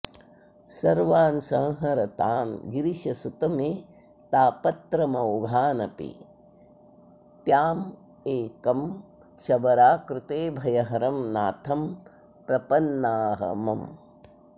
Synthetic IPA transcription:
sɐɾʋaːnsɐ̃ŋɦɐɾɐt̪aːnɡiɾiʃɐsut̪ɐmeː | t̪aːpɐt̪ɾɐmɐoɡʱaːnɐpḭ | t̪jaːm | eːkɐm | ʃɐbɐɾaːkɾɪt̪eːbʱɐjɐɦɐɾɐmnaːt̪ʰɐm | pɾɐpɐnːaːɦɐ̰mɐm

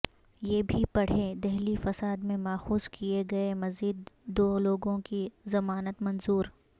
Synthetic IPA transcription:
jeːbʱipɐɽ̤ed̪ɛɦlifɐsaːd̪mẽmaːxuːzkieɡɐemɐziːd̪ːoːloːɡõkizɐmaːnət̪mɐ̃nzuːɾ

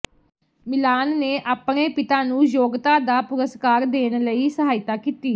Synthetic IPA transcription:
mɪlaːnːeːʔaːpɳeːpɪt̪aːnũːjoːɡt̪aːd̪aːpʊɾəskaːɾd̪eːnləiːsəɦaːɪt̪aːkiːt̪iː

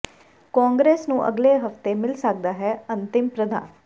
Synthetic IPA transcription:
kɔːŋɡɾeːsnũːʔə̰ɡleːɦəft̪eːmɪlsək̚d̪aːɦɛːə̃nt̪ɪmpɾəd̪ã̰ːn

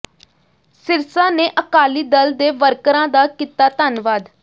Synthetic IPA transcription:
sɪɾsãːneːʔəkaːliːd̪əld̪eːʋəɾkɾãːd̪aːkiːt̪aːt̪anʋaːd̪

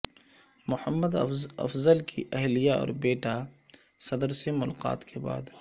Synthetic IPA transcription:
mʊhəmːəd̪ɐ̰fzəlkʰiʔɛɦlijaɔ̰ːɾbeːʈa | sɐd̪əɾsemʊlaːqa̰ːt̪kʰeba̰ːd̪

